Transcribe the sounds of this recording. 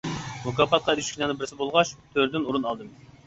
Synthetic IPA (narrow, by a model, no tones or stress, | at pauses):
mukɑpɑt̪̚qɑeɾyʃkʲinɑnɨbɪɾsɪbolˠʁɑʃt̪ʰøɾd̪ɪnuɾunɑlˠd̪ɨm